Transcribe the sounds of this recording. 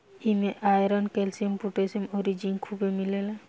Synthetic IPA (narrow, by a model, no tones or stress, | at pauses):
imeʔajɾənkelsijəmpuʈesimoɾid͡ʒinkʰubemilela